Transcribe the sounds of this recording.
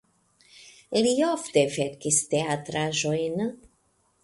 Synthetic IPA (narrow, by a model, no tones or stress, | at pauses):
liofteveɾkist̪eatɾaʒo̞jn